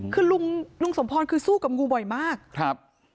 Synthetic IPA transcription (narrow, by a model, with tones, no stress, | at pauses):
kʰɯː˧lu˧ŋlu˧ŋso˩˦mpʰɔː˧nkʰɯː˧suː˥˩ka˨˩p̚ŋuː˧bɔ˨˩jmaː˥˩k̚kʰɾa˦˥p̚